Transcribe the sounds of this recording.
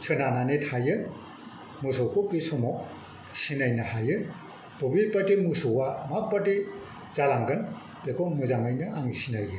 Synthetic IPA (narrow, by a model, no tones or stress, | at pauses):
sʰɯnananetʰajɯ | musɔkokisɔmɔk̚ | sinajnahajɯ | bubipatimusowamapːati | z̥alaŋɡɯn | bekʰɔmɯzaŋajnɯaŋisinajɯ